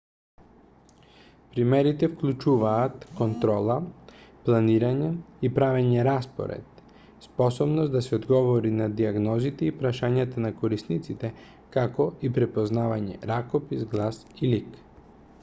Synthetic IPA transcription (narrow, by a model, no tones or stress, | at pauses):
pɾimɛɾit̪ɛfklʲut͡ʃuvaːt̪kont̪ɾɔlˠaplˠaniɾaɲɛipɾavɛɲɛɾaspɔ̰ɾɛ̰t̪ | spɔsɔbnɔsd̪asɛod̪ɡɔvɔɾinad̪iaɡnɔzit̪ɛipɾaʃaɲat̪anakoɾisnit̪sit̪ɛ | kakɔipɾɛpoznavaɲɛ̰ɾakopisɡlˠasilik